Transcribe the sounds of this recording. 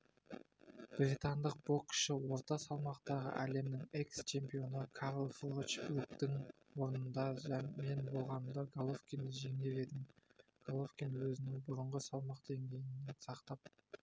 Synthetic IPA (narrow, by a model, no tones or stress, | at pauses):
b̥ɾʲit̪ɑnd̪əq̚bo̞kʲʃɪwo̞ɾt̪ɑsɑlˠmɑqt̪ɑʁə̰ʔæle̞mnɪŋe̞kst͡ʃʰe̞mpijo̞nəkʰɑɾlˠfɾot͡ʃbɾukt̪ɪŋ | wo̞ɾnənd̪ɑʒme̞nbo̞lˠʁɑnəmd̪ɑɡolˠofkʲind̪ʒe̞ŋe̞ɾe̞d̪ɪmɡ̥olˠofkʲinwɵzɪnɪŋbʊɾəɴʁəsɑlˠmɑqd̪e̞ŋɡʲe̞jɪnːe̞sɑqt̪ɑp̚